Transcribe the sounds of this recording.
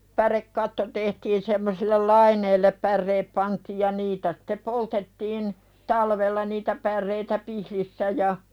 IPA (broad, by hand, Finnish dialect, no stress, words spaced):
pærekːɑtːo tehtiːn semːosilːel lɑineilːep pærːeːp pɑntiːj jɑ niːtæ sĭ̥te poltetːiːn tɑlʋelːɑ niːtæ pærːeitæ pihlisːæ jɑ